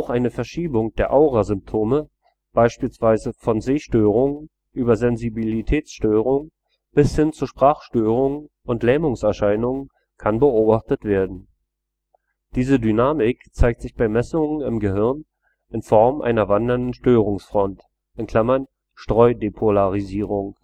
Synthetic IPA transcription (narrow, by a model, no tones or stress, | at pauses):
ʔaʊxʔaɪnəfɛɐʃiːbʊŋd̥eːɐʔaʊʁazʏmp̚tʰoːmə | b̥aɪʃpiːlsv̥aɪzəfɔnzeːʃtøːʁ̞ʊŋn | ʔyːbɐzɛnzibilitʰɛːt͡sʃtøːʁʊŋ | b̥ɪshɪnt͡suʃpʁ̥aːχʃtøːʁ̞ʊŋn | ʔʊntlɛːmʊŋsɛɐʃaɪnʊŋən | kʰanbəʔoːbaχtətv̥eːɐdn̩ | d̥iːzədynaːmɪkt͡saɪk̚tz̥ɪçb̥aɪmɛsʊŋənɪmɡəɦɪʁn | ʔɪnfɔɐmʔa̰ɪnɐvandɐndn̩ʃtøːʁ̞ʊŋsfʁ̥ɔnt | ʔɪnkl̥amɐn | ʃtʁ̥ɔʏdepʰolaʁiziːʁʊŋ